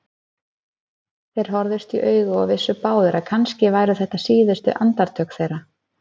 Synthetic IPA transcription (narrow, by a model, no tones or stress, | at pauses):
θejɾ̥ɦɔɾðɪst̪iʔœːɥɣʏɔɣvɪsːʏpaːwðʏɾʔakʰanscɪvaːjɾʏθɛht̪ːasiːðʏst̪ʏ̰ʔant̪aɾ̥t̪ʰœːkθejɾa